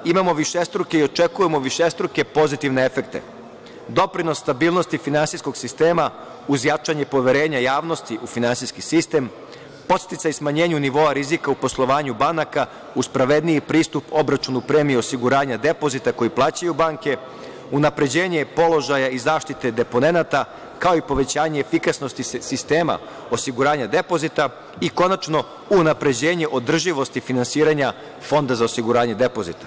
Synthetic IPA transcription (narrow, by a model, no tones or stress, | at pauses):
imamo̞ʋiʃest̪ɾuke̞io̞t͡ʃe̞kujemo̞ʋiʃe̞st̪ɾuke̞po̞zit̪iʋneefe̞k̚t̪e̞̰ | d̪o̞pɾino̞sːt̪abiːlˠno̞st̪ifinansisko̞ɡsist̪eːma | uzjat͡ʃaɲepo̞ʋe̞ɾe̞ːɲajaːʋno̞st̪iʔufinansiskisist̪e̞m | po̞t̪st̪it̪saismaɲe̞ːɲuniʋo̞aɾizikaupo̞slˠo̞ʋaːɲubanaka | uspɾaʋe̞d̪nijipɾiːst̪upo̞bɾat͡ʃunupɾeːmio̞siɡuɾaːɲad̪e̞po̞zit̪ako̞jiplˠaːt͡ɕajubaŋke̞ | unapɾe̞d͡ʑeːɲe̞po̞lo̞ʒajaizaːʃt̪it̪e̞d̪e̞po̞ne̞nat̪a | kao̞ipo̞ʋe̞t͡ɕaːɲeːfikasno̞st̪isist̪eːma̰ | o̞siɡuɾaːɲad̪e̞po̞zit̪a | iko̞nat͡ʃno̞ | unapɾe̞d͡ʑe̞ːɲe̞ʔo̞d̪r̩ʒiʋo̞st̪ifinansiːɾaɲa | fo̞nd̪azaosiɡuɾaːɲe̞d̪e̞po̞zit̪ḁ